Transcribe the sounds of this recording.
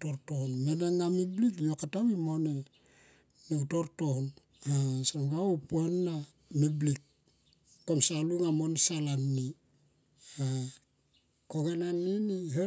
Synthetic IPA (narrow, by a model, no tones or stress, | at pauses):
toɾtohnmenaŋːamiblikjokataβimone | niutoɾtohn | asamɡaopuenːa | miblikː | omsaluŋamonsalanːi | a | koɡananːinihe